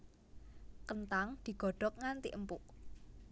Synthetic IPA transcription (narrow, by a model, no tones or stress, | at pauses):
kənt̪aŋd̪̥i̤ɡ̥ɔ̤ɖ̥ɔ̤k̚ŋant̪ḭʔəmpʊʔ